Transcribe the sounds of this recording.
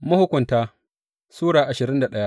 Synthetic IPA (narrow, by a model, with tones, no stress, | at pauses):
mʊ˦hʊ˦kʷʊ˨ntaː˦ | suː˦ɽaː˨ʔa˨ʃɪ˨ɾɪ˦nda˨ɗɐ˦ja˦ʔ